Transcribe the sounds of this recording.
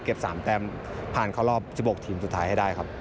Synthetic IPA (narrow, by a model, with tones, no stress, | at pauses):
ke˨˩p̚saː˩˦mt̪ɛː˧m | pʰaː˨˩nkʰaː˥˩wlɔː˥˩p̚t͡ɕʰi˧˩boː˨˩k̚t̪ʰiː˩˦msu˨˩t̪ʰaː˦jha˥˩jdaː˥˩jkʰa˦˥p̚